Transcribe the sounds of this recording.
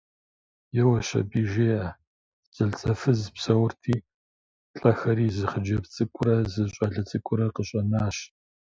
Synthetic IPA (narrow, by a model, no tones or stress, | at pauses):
jɛwɐɕɐ̰biːʒeːʔɐ | zʼɐɮt͡sʼɐfɨzpsɐwʊrtʰiː | ɬʼɐxɐɾiːzɨχəd͡ʒɐpt͡sʼɨkʷʼʊɾɐzɨɕʼɐɮɐt͡sʼɨkʷʼʊɾɐqəɕʼɐnaːɕ